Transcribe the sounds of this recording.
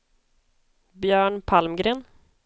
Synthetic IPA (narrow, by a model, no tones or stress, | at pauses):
bjœːɳpʰalmɡɾeːn